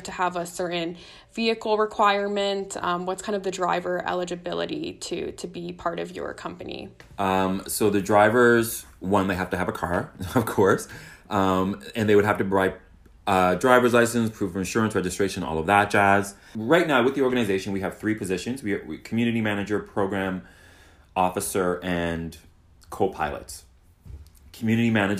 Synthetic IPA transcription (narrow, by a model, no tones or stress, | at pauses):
tʰɨəvəsɜ˞ʔn̩ | viɨkl̩ˠɹɪkʰw̥aɪə˞mɨ̃ntmwʌtskʰãɪ̃ndʌvðɨdɹaɪvə˞ʔɛ̰lˠəd͡ʒɨbɪlˠə̰ɾḭɾɨ̰ɾɨbipʰɑɹɾʌ̰vjə̰˞kʰʌ̃mpɨnḭʔmsoʊðɨdɹaɪvə˞z | wʌ̃nðeɪɦæftɨɨvəkʰɑɹʌv̥kʰɔɹsʔʌ̃mɨ̃nðeɪwɨd̚ɦæftɨɹaɪt̚ | ʌdɹaɪvə˞zlaɪsɨ̃nspʰɹ̥ʉvə˞ɨ̃nʃʊɹɨ̃nsɹɛd͡ʒɨstɹ̥eɪʃɨ̃nɔ̰lˠʌvðət̚d̥ʒ̥æz̥ | ɹaɪtⁿnaʊwɨðiɔɹɡɨñɨzeɪʃɨ̃nwiɨv̥θɹipʰɨzɪʃɨ̃nzwikʰmjʉnɨɾimænɨd͡ʒə˞pʰɹ̥oʊɡɹæ̃m | ɔfɨsə˞ʔɨ̃n | kʰoʊpʰaɪlˠə̰ts | kʰmjʉnɨɾimænɨd͡ʒ